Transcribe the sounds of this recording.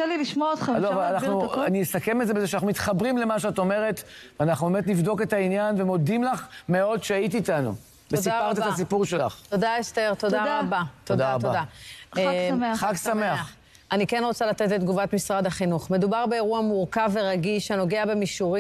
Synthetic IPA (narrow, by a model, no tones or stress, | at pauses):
eliliʃmoaot̪χeloavalanaχnuanijesakemelzebezeʃanaχnumit̪χabʁimle̞maʃeatome̞ʁet | veanaχnubemet̪̬nivd̪o̞ke̞tainjanve̞mo̞dimlaχme̞o̞dʃeajit̪̬iːt̪anṵ | vesipaʁt̪etas̬ipuʁʃela̰χtod̪aest̪eʁt̪oddaaabat̪od̪aat̪oada | maχaksameaχ | anikenʁo̞t͡salat̪etletd̪ɡuvat̪misʁad̪aχinuχme̞d̪ubaʁbe̞eʁuamuʁkave̞ʁaɡiʃhano̞ɡeabe̞miʃuʁi